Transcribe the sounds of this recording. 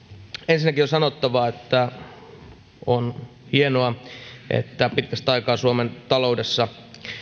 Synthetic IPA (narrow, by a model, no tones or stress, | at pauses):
ensinːækiosɑnot̪ːɑʋɑet̪ːæ | onhienoɑʔḛt̪ːæpit̪kæst̪ɑikɑːsuoment̪ɑloudesːɑ